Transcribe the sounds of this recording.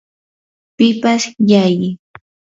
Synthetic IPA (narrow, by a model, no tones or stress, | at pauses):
pɪpasjajɪ